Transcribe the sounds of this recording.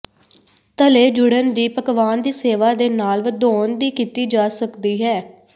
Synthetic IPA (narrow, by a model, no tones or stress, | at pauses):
t̪əleːd͡ʒʊɽənd̪iːpəkʋaːnd̪iːseːʋaːd̪eːnaːlʋəd̪oːnd̪iːkiːt̪iːd͡ʒaːsəkd̪iːɦɛː